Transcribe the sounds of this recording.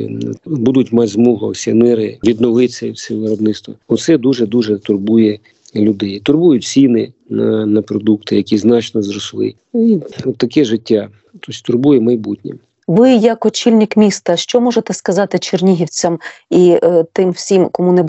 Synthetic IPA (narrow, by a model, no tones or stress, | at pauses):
bud̪ʊtʲmɑtʲzmɔɦɔwsʲɛmɪɾɪʋʲid̪nɔʋɪsʲɐwsʲɛʋɪɾɔbnɪtst̪ʋɐɔt̪sɛd̪uʒɛd̪uʒɛt̪ʊrbujɛ | lʲʊd̪ɛjt̪ʊrbujʊt͡sʲinɪnɐnɐpɾɔd̪ukt̪ɪjɐkʲiznɑt͡ʃnɔzɾɔslˠɪ̰ | iɔt̪ːɐkɛʒɪtʲːa | t̪ʰosʲt̪ʊrbujɛmɐjbutʲnʲi | ʋɪjɐkɔt͡ʃilʲnʲɪkmʲist̪ɐʃt͡ʃɔmɔʒet̪ɛskɐzɑt̪ɪt͡ʃernʲiɦʲiwt͡sʲɐmit̪ɪmwsʲimkɔmunɛ